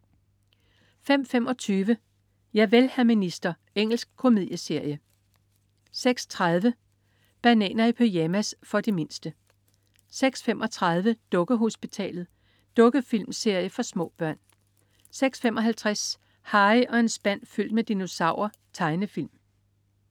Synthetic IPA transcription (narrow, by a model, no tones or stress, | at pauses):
fem̰femɒ̽t͡sʰyːʋə | jɑ̈ɪʋelhæminisd̥ɐ | eŋ̰l̩sɡ̥̚kʰo̝mið̞̰ˠjəse̝ɐ̰jə | seɡ̥st͡sʰʁað̞ˠʋə | b̥ænɛ̰ːnɐipʰøjæmæsfɒ̽d̥eme̝nsd̥ə | seɡ̥sfemʔɒ̽t͡sʰʁɑð̞ˠʋəd̥ɔ̽ɡ̥əɦo̝sb̥it͡sʰɛ̰ːlð̞̩ˠ | d̥ɔ̽ɡ̥əfilmse̝ɐ̰jəfɒ̽smɔ̰̽ːb̥ɶɐ̰n | seɡ̥sfemʔɒ̽ɦælt͡sʰʁas | hɑ̈ɪʔɒ̽e̝nsb̥æn̰fyl̰d̥med̥ino̝sɑ̈ʊ̰ɐ | t͡sʰɑ̈ɪnəfilm